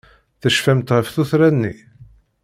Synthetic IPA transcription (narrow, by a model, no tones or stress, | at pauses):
θəʃfæmt̪ʁəfθuθɾænːḭ